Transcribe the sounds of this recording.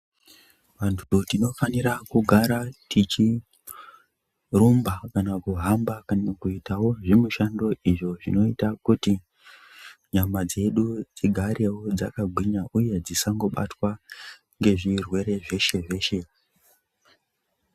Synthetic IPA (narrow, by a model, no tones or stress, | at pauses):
ʋantʰu̥utino̞faniɾakuɡʱaɾatit͡ʃi | rumbakanakuɦambakanakuitawo̞ʐimuʃando̞iʐo̞ʐḭno̞itakuti | ɲamad͡ze̞ɗud͡ziɡʱaɾe̞wo̞d͡za̰kaɡʱwiɲaʔuje̞d͡zisaŋɡo̞ɓa̰twa | ŋɡe̞ʐirwe̞ɾe̞ʐe̞ʃe̞ʐe̞ːʃe̞